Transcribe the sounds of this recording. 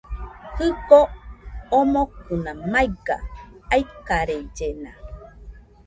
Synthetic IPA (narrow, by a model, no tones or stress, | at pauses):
hɯɡoomokɯnamajɡa̰aikːaɾeid͡ʒena